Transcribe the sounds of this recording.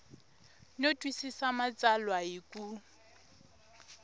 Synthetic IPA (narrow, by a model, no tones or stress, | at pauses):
notʼwisisamat͡sʼalwaikʼu